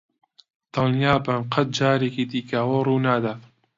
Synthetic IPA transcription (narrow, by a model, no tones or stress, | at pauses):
t̪ɨljaːbamqʰɐt̪̚d͡ʒaːɾeːkiːd̪iːkawoːruːnaːd̪aː